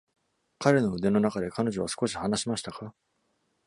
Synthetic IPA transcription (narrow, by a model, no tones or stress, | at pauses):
kaɾe̞no̞ɯ̟d̪e̞no̞nakad̪e̞kano̞ʑo̞βasɨ̥ko̞ɕi̥hanaɕimaɕi̥t̪aka